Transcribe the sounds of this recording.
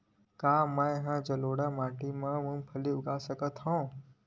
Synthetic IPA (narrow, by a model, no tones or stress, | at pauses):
kaːmãɦãd͡ʒəloːɽamãːʈimãmũnpʰəliʊɡaːsəkət̪ɦõː